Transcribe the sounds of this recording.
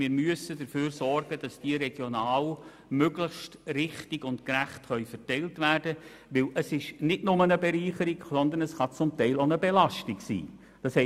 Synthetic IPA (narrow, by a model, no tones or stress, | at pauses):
mɪːɾmyəsədəɾføːɾsɔrɡ̥əd̥ɑsd̥iəɾɛɡ̥jonɑːl | møɡlɪχʃtɾɪχtɪɡʊntkɾæχtχœʏfərtɛɪltvæːrd̥ə | ʋɪlʔəsɪʃnɪdnʊmənəbɛɾiːχəɾiɡsɔnd̪ənəsχɑt͡sʊmtɛɪlonəbɛlɑʃtɪɡsḭː | d̥ɑshɛ